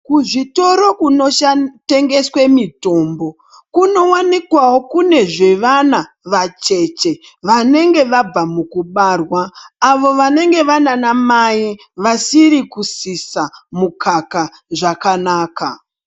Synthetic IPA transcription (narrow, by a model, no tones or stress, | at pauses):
kuʐito̞ɾo̞kuno̞ʃate̞ŋɡe̞swe̞mito̞ːmbo̞ | kuno̞wanikwawo̞kune̞ʐe̞ʋana | ʋat͡ʃe̞t͡ʃe̞ | ʋane̞ŋɡe̞ʋab͡vamukuɓarwaːʋo̞ʋane̞ŋɡe̞ʋananamaji | ʋasiɾikusisamukʰaka | ʐakanaːka